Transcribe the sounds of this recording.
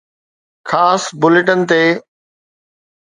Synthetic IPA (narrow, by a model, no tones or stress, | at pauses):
kʰaːsbʊlɪʈənɪ̆t̪eː